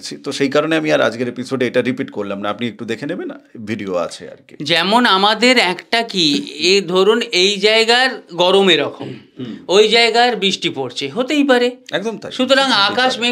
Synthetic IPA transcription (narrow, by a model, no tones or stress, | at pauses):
t͡ɕʰit̪oʃejkaɾoneamiaɾa̰d͡ʑɡeɾepisoɖeeʈaɾipiʈkoɾlamnaapniek̚ʈud̪ekʰenebenːa̰bʱiɖioa̰t͡ɕʰḛa̰ɾked͡ʑɛmonamad̪eɾɛkʈakied̪ʱoɾunejd͡ʑaeɡaɾɡɔɾomeɾɔkʰomojd͡ʑaeɡaɾbɾiʃʈipoɾt͡ɕʰeɦot̪ejp̬aɾeɛkd̪omt̪a̰ʃut̪oɾaŋakaʃme